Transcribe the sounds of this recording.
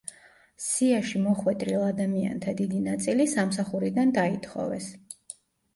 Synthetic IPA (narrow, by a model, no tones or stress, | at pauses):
siaʃimɔχwɛt̪ʼɾilˠad̪amia̰nt̪ʰad̪id̪inat̪sʼilisamsaχuɾid̪and̪ait̪ʰχɔ̰vɛs